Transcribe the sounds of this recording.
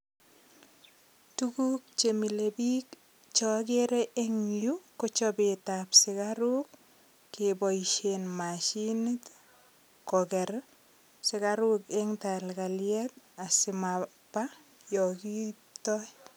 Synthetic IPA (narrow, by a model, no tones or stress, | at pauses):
tukuk̚t͡ʃemilebik | t͡ʃɔkeɾeʔeŋjukɔt͡ʃɔbɪtapsɪkaɾukː | ebɔiʃenmaʃinit | kɔkɛɾ | sɪkaɾukeŋtalkaljɛt̚asɪma | pːa | jɔki | tɔ